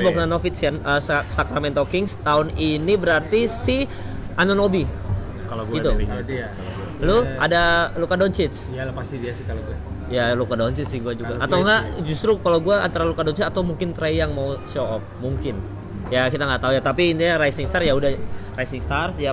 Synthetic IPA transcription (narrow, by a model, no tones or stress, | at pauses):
baknanofɪt̪sanəsakɾamɛnt̪okɪŋst̪aʊninibəɾart̪isɪ | ʔanonobi | kalɡɡiu | luadalukadont͡ʃɪt̪s | apasidiasɪkaloɡ | jalukadont͡ʃɪt̪sɪhɡuad͡ʒuɡaʔat̪awŋɡaʔd͡ʒust̪ɾukalawɡuaant̪aɾalukadɔnt͡ʃit̪at̪awmuŋkɪnt̪ɾaijaŋmausoɔp̚muŋkɪn | jakit̪aŋɡaʔt̪aujat̪apiːnt̪iɲaɾajsɪŋst̪arjaudarajsɪŋst̪arsja